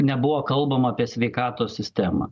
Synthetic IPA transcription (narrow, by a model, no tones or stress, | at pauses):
nʲɛbʊʋoːkɐlˠbɐmɐɐpʲiɛsʲʋʲɛɪkɑːt̪oːsʲsʲɪsʲt̪ʲæːmɐ̰